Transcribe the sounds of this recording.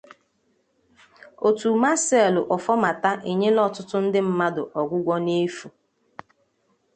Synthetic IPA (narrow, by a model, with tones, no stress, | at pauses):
o˨tu˨ma˦se˨lʊ˨ʔɔ˨fɔ˦ma˨ta˦ʔe˨ɲe˦lɔ˦tʊ˦tʊ˦n̩˦dɪ˦m̩˦ma˦dʊ˨ʔɔ˨ɡʷʊ˦ɡʷɔ˦ne˦fu˨